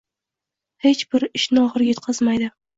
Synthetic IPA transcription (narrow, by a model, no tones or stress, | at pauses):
he̞t͡ʃbɪɾɪʃnɪɒʁɨɾʲjet̪qʰɨzmajd̪ɪ